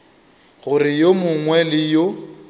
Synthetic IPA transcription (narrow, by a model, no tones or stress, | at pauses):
ɣʊrɪjomʊŋwɛlɪjo